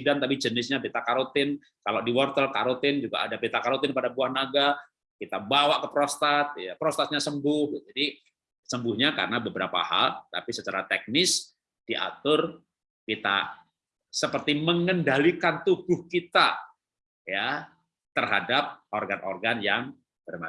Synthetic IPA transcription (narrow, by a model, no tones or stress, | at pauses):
dant̪apid͡ʒənɪsɲabet̪akaɾot̪ɪn | kaloʔdiwɔrt̪əlka̰ɾot̪ɪnd͡ʒuɡa̰ʔadabet̪akaɾot̪ɪnpadabuahnaɡa | kit̪abawaʔkəpɾost̪at̪̚japɾost̪at̪̚ɲasəmbʊhd͡ʒadi | səmbʊhɲaka̰ɾənabəbəɾapa̰ha̰lt̪a̰pisət͡ʃaɾat̪ɛk̚nɪs | d̥iʔa̰t̪ʊr | kit̪a̰ | səpərt̪iməŋəndalikant̪uɡʊhkit̪a | ja | t̪ərɦadap̚ʔorɡanʔo̰rɡanjaŋ | bərma